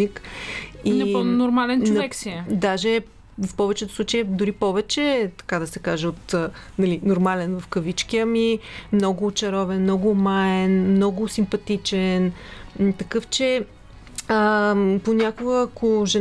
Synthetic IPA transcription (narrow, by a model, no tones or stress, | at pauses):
ik | inɛlˠnnoɾmalɛnt͡ʃnʊnɐɛksiɛd̪aʒɛ | fpɔvɛt͡ʃɛt̪ʊsˠut͡ʃjəd̪ʊɾipɔvɛt͡ʃɛt̪ɐ̥kad̪ɐsɛkaʒɛot̪ə | nɐlinoɾmalɛnvɐfkɐvit͡ʃkijəmimnɔɡʊːt͡ʃɐɾɔvɛnmnɔɡʊmaɛnmnɔɡʊsimpɐt̪it͡ʃɛnt̪ɐkɤft͡ʃɛ | əponʲakʊɡəːkʰʊʒɛ